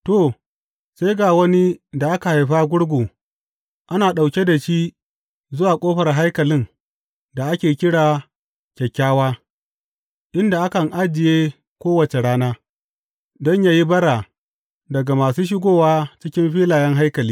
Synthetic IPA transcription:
toː˦˨ | se˦jɡaː˨wɐ˦ni˦da˨ʔa˦ka˨ha˨jɸa˦ɡʷʊ˦ɽɡʷoː˨ | ʔa˦naː˨ɗa˨wkʲe˦da˨ʃiː˦ | zʊ˦waː˨kʷʼoː˦ɸɐ˨rɦa˦jkɐ˨lɪ˦ŋ | da˨ʔa˦kʲeː˨kʲɪ˦ɽaː˨ | kʲɛ˨kʲːaː˦waː˦ | ʔɪ˦nda˨ʔa˦kɐ˨ŋʔa˦d͡ʒɪ˨jeː˦ | kʷoː˦wɐ˨t͡ʃe˨ɽaː˦naː˦ | dɔ˦ɲjaː˦ji˦bɐ˦ɽaː˨ | dɐ˨ɡa˨maː˨suː˦ʃ̬ɪ˦ɡʷoː˦waː˦t͡ʃɪ˦kʲɪ˦mɸiː˦laː˨jɛ˦ŋɦa˦jkɐ˨liː˦

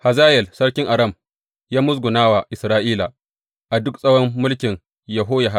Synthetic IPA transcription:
ha˨zaː˦jɛ˨lsɐ˦ɽkʲɪ˦ŋʔa˨ɾɐ˦˨m | jaː˦mʊ˦s̬ɡʷʊ˨naː˦wa˨ʔɪ˨sɾaː˦ʔiː˦la˨ | ʔa˨dʊ˦ksʼɐ˦wɔ˦mːʊ˦lkʲɪ˨ŋ | jɐ˨ɦoː˦ja˨ɦa˦

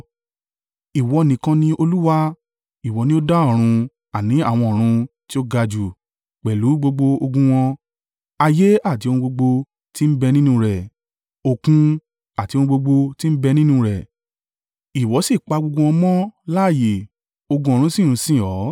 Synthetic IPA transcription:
i˨wɔ˧˨nĩ˨˦kã˧nĩ˧o˧lu˦wa˦ | i˨wɔ˨˦nĩ˦o˦da˦ɔ˦˨ɾ̃ũ˧ | a˨nĩ˨˦a˦˨w̃ɔ̃˧ɔ˨ɾ̃ũ˧ | ti˦o˦ɡa˧d͡ʒu˨ | k͡pɛ˨lu˨˦ɡ͡bo˧ɡ͡bo˧o˧ɡũ˧w̃ɔ̃˧ | a˧je˦a˦˨ti˨˦õ˧ũ˧ɡ͡bo˧ɡ͡bo˧ | ti˦m̩˦bɛ˧nĩ˦nũ˧ɾɛ˨ | o˨kũ˧ | a˨ti˧o˧nũ˧ɡ͡bo˧ɡ͡bo˧ti˦m̩˦bɛ˧nĩ˦nũ˧ɾɛ˨ | i˨wɔ˨˦si˦˨k͡pa˧ɡ͡bo˧ɡo˧wɔ̃˧mɔ̃˦la˦˨je˨ | o˧ɡũ˧o˨ɾ̃ũ˨˦sĩ˦˨ɾ̃ũ˧sĩ˦˨ɔ˨˦

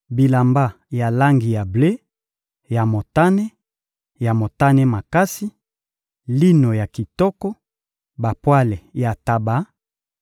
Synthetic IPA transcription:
bi˨la˨mba˦ | ja˨la˦ŋɡi˨ja˨ble˦ | ja˨mo˨ta˦ne˦ | ja˨mo˨ta˦ne˦ma˨ka˦si˦ | li˦no˨ja˨ki˨tɔ˦kɔ˦ | ba˨pwa˦le˨ja˨ta˨ba˨˦

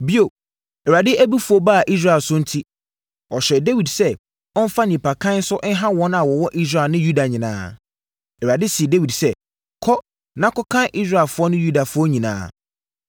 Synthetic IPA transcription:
bi˦o˨ | ɛ˨ɾa˨dɪ˦ʔæ˦bi˦fʊ˨˦ɔ˦ba˦˨ʔi˦s̬ɾa˦ɛ˨lsʊ˦n̩˦tʰi˦ | ɔ˨ɕɛ˨de˦wi˨dsɛ˦ | ɔ̃˦n̩˦fa˦nĩ˨pʰa˨kʰã˦n̩˦sʊ˦ʔn̩˦ɦã˦wɔ̃˦na˨wɔ˨wɔ˦ʔi˦s̬ɾa˨lnɪ̃˦ju˦da˨ɲɪ̃˨nã̰ː˦ | ɛ˨ɾa˨dɪ˦si˨e˨de˦wi˨dsɛ˦ | kʰɔ˦ | nã˦kɔ˦kʰã˦nʔi˦sɾa˦˨ɛ˨lfʊ˦ɔ˦nʊ̃˦ju˦da˨fʊ˦ɔ˦ɲĩ˨nã̰ː˨˦

